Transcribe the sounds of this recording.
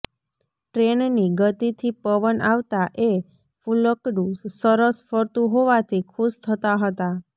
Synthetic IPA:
ʈɾenniɡət̪it̪ʰipəʋənʔaʋt̪aʔe | fuləkɖussəɾəsfəɾt̪ũɦoʋat̪ʰikʰust̪ʰət̪aɦət̪a

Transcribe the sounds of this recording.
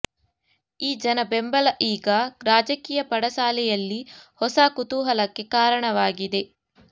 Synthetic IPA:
iːd͡ʒɐnɐbembɐlɐʔiːɡɐɾaːd͡ʒɐkiːjɐpɐɽɐsaːlɛjɐlːihɔsaːkut̪uːɦɐlɐkːe̞kaːɾɐɳɐʋaːɡid̪e̞

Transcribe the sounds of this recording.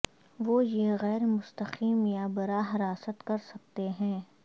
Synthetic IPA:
ʋoːjeɣɛːɾmʊst̪əqiːmjabɐɾaːɦɐɾaːsət̪kɐɾsɐk̚t̪eɦɛ̃ː

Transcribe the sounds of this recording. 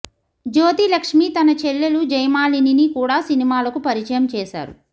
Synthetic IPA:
d͡ʒoːt̪ilɐkʂmiːt̪ɐnɐt͡ʃelːelud͡ʒɐjmaːlininikuːɽaːsinimaːlɐkupɐɾit͡ʃɐjɐmt͡ʃɛːʃa̰ːɾṵ

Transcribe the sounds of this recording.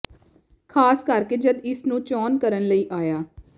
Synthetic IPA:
kʰaːskəɾkeːd͡ʒəd̪ɪsnũːt͡ʃɔːnkəɾənləiːʔaːjaː

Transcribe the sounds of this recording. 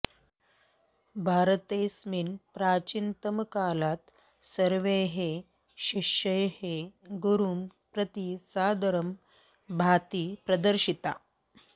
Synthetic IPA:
bʱaːɾət̪esminpɾaːt͡ɕint̪əmkalat̪ | səɾʋeɦe | ɕiʂəjheɡuɾuːmpɾət̪isad̪əɾəm | bʱat̪iːpɾəd̪əɾɕit̪a

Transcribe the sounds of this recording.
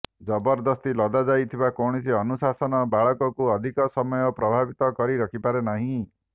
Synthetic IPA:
d͡ʒɔbɔɾd̪ɔst̪ilɔd̪ad͡ʒajt̪ʰibakowɽ̃is̬iɔnusasɔnɔbaɭɔkɔkuɔd̪ʱikɔsɔmɔjɔpɾɔbʱabit̪ɔkɔɾiɾɔkʰipaɾenaɦĩ

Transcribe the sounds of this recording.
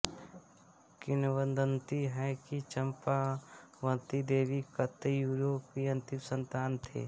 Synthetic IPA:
kɪnʋənd̪ənt̪iɦɛkit͡ʃəmpaʋə̃t̪id̪eːʋikət̪juːɾoːpiə̃nt̪ɪmsə̃nt̪aːnt̪ʰḛː

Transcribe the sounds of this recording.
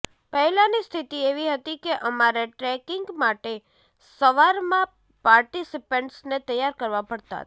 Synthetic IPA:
pəɦɛlanist̪ʰit̪ieʋiɦət̪ikeʔəmaɾeʈɾɛkɪŋɡmaʈe | səʋaɾmã | paɾʈisipəɳʈsnet̪əjːaɾkəɾʋapəɽt̪a̰t̪

